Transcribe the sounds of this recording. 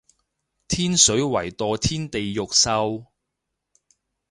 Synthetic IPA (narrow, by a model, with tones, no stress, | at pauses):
t̪ʰiː˥nsɵ˨˥ɥwɐ˨˩jt̪ɔː˨˧t̪ʰiː˥nt̪e˨jːʊ˨k̚sɐ˧w